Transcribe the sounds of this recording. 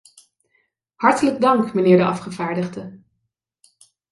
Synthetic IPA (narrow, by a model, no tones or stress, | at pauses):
hɑɹtələɡ̚dɑŋkmənɪːɹdəʔɑfχəvaːɹdəχdə